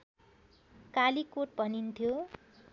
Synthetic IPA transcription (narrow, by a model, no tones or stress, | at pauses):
kalikoʈ̚bʱʌnint̪ʰjo